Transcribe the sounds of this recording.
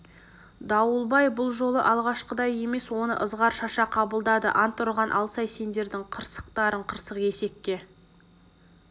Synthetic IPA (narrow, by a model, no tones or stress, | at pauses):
d̪ɑwəlˠbɑjbʊlˠʒo̞lˠə̰ʔɑlˠʁɑʃqəd̪ɑje̞me̞swo̞nə̰ʔəzʁɑɾʃɑʃɑqʰɑbəlˠd̪ɑd̪əʔɑnt̪ʰːʊɾʁɑnʔɑ̰lˠsɑjse̞nd̪e̞ɾd̪ɪŋqʰəɾsə̥qt̪ɑɾəɴqʰəɾsəqe̞se̞kːʲe̞